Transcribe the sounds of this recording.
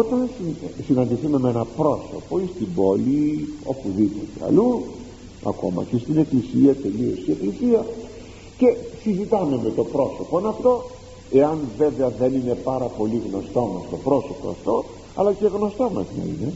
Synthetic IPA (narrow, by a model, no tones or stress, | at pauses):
ot̪ɐnsisinɐnd̪iθume̞meenɐpɾo̞so̞̰po̞ist̪ibo̞lio̞puðipo̞t̪e̞ɐ̰lu | ɐ̰ko̞mɐ̰cest̪ine̞klisiɐt̪e̞lio̞st̪ie̞klisiɐ | ce̞sizit̪ɐme̞me̞t̪o̞pɾo̞so̞po̞nɐft̪o̞ | e̞ɐnve̞veɐðe̞nine̞pɐɾɐpo̞liɣno̞st̪o̞mɐst̪o̞pɾo̞so̞po̞ɐ̰ft̪o̞ | ɐ̰lɐce̞ɣno̞st̪o̞mɐznɐ̰ḭne̞